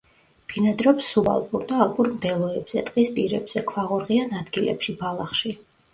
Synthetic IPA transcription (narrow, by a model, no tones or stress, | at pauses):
b̥inad̪ɾɔpsːuba̰lˠpʼuɾd̪aːlˠpʼuɾmd̪ɛlˠɔɛbz̥ɛt̪ʼqʼispʼiɾɛbz̥ɛkʰwaʁuɾʁianad̪ɡilɛ̰pʃibalˠaχʃi